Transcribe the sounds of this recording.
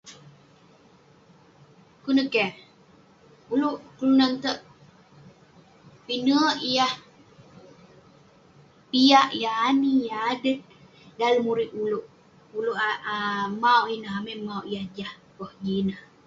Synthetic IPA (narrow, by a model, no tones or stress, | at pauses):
kunəkɛ | uluʔkəlunant̪əʔ | pinəəʔijah | pijaʔjaːnijaːdət̪̚ | dalmuɾiʔ̪uluʔ | uluʔaamauwʔinəɦameʔmawʔijahd͡ʒahpəhd͡ʒinəh